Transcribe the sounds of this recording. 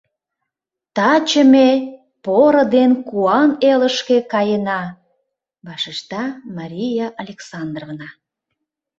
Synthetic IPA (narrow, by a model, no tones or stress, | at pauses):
t̪ɑt͡ɕəme | poɾəd̪enkuɑneləʃkekɑjənɑ | bɑʃiʃt̪ɑmɑɾʲijɑʔɑlʲeksɑnd̪rovnɑ